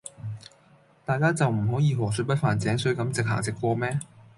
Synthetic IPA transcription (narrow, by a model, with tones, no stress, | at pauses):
t̪aː˨jkaː˥t͡sɐ˨wm̩˨˩ɦɔː˨˥jiː˨˧ɦɔː˨˩s̬ɵ˨˧˥pɐ˥t̚faː˨nt͡sɛː˨˥ŋsɵ˨˥ɥkɐ˨˧˥mt͡sɪ˨k̚ɦa̰ː˨˩ŋt͡sɪ˨kːʷɔː˧mɛː˥